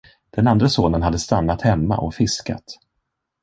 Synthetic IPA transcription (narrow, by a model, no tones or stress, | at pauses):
d̪̥ɛnand̪ɾasoːnənɦad̪ːəst̪anːat̪hɛmːa̰ʔɔ̰kfɪska̰t̪